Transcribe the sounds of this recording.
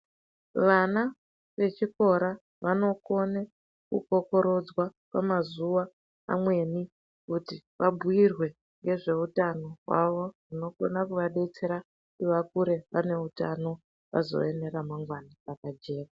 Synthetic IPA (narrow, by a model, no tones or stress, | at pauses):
ʋana | ʋe̞t͡ʃiko̞ɾa | ʋano̞ko̞ne | kṵko̞ko̞ɾo̞d͡zwakamazuʋa̰ː | mwe̞ni | kutiʋabʱuirwe̞ | ŋɡe̞ʐe̞utano̞ɦwa̰ʋo̞rino̞ɡo̞̰nakuʋaɗe̞t͡se̞ɾa | iʋakuɾe̞ʋane̞utano̞ | ʋa̰zo̞̰ene̞ɾamaŋɡwaniakad͡ʒe̞ːka